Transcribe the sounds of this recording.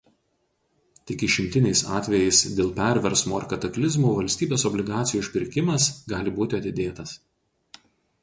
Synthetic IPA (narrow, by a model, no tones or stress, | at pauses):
t̪ʲɪkʲɪʃʲɪmʲt̪ʲɪnʲɛɪsɑːt̪ʲʋʲɛjɛɪsd̪ʲeːlˠpʲæˑɾʲʋʲɛɾsmoːɪɾkɐt̪ɐklʲɪzmuːʋɐlʲsʲt̪ʲiːbʲeːsɔbʲlʲɪɡɑːt̪sʲɪjuːɪʃʲpʲɪɾʲkʲɪmɐsɡɑːlʲɪbuːt̪ʲɪɐt̪ʲɪd̪ʲeːt̪ɐs